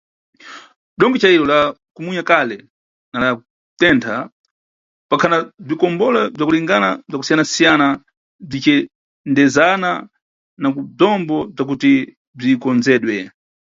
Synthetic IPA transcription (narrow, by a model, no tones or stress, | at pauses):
ɗɔŋɡɛt͡ʃaiɾɔlakumuɲakalɛ | nala | tɛntʰa | pakʰanab͡ʐikɔmbɔlab͡ʐakuliŋɡanab͡ʐaku̥sijanasijana | b͡ʐit͡ʃɛ | ndɛzana | nakub͡ʐɔmbɔb͡ʐak̬uti | b͡ʐikɔnzɛːɗwɛ